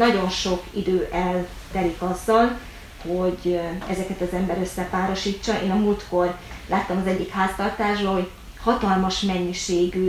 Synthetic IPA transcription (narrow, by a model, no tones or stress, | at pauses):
nɒɟo̞nʃo̞kid̪øːʔɛl | t̪ɛɾikɒzːɒl | ho̞ɟɛ̰zɛkɛt̪ɒzɛmbɛɾøsːɛpaːɾo̞ʃiːt͡ʃːɒʔḛːnɒmuːlt̪ko̞rlaːt̪ːɒmɒzɛɟːikhaːst̪ɒrt̪aːʒbɒho̞ɟ | hɒt̪ɒlmɒʃmɛɲːiʃeːɡy